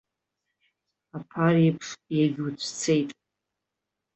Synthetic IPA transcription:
apʰaripʰʂjaɡʲut͡sʷʰt͡sʰe̞jtʼ

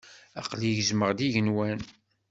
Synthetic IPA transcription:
ɑqliʝəzməʁd̪iʝənwæn

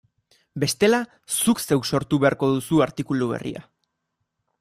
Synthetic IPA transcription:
be̞st̪e̞la | sukse̞wso̞ɾt̪uβe̞aɾko̞ðusuaɾt̪ikuluβ̞e̞̰rḭa̰

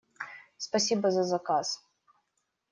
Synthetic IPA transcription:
spɐsʲibɐzɐzɐkas

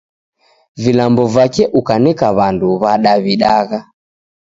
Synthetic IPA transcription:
vilambɔvakɛʔukanɛkaβanduβaɗaβiɗaɣa

